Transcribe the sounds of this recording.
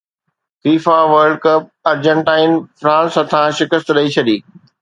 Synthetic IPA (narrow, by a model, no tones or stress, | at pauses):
fiːfaʋəɾɖkɐp̚ɐɾd͡ʑə̃ɳʈaːɪnfɾãːnsɦɐt̪ʰãʃɪkəst̪ɗɐit͡ɕʰɐɗiː